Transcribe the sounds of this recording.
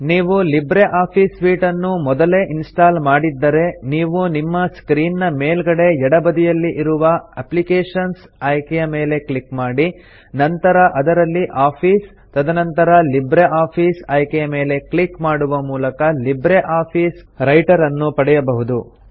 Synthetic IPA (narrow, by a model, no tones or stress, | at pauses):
niːʋulibɾeʔaːpʰiːsʋiːʈɐnːumɔd̪ɐleːʔinsʈaːlmaːɽid̪ːɐɾe̞niːʋunimːɐskɾiːnːɐmeːlɡɐɽe̞ɛɽɐbɐd̪ijɐlːiʔiɾuʋɐɐplikeːʂɐns | ɐːjkɛjɐme̞ːle̞klikmaːɽi | nɐnt̪ɐɾɐʔɐd̪ɐɾɐlːiʔaːpʰiːs | t̪ɐd̪ɐnɐnt̪ɐɾɐlibɾeʔaːpʰiːsɐjkɛjɐme̞ːle̞klikmaːɽuʋɐmuːlɐkɐlibɾeʔaːpʰiːsɾɐjʈɐɾɐnːupɐɽɛjɐbɐɦud̪u